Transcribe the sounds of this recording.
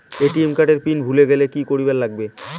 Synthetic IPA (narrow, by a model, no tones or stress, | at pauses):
eʈiemkaʈeɾpinbʱuleɡɛlekikoɾibɛlːaɡ̚be